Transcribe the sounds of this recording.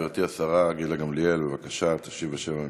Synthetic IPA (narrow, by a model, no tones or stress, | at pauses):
eʁt̪iasaʁaɡidlaɡamlijelbevakaʃat̪ḁʃivaʃeva